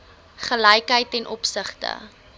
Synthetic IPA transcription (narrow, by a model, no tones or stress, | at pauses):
χələjkɦəjtɛnʔɔpsəχtə̰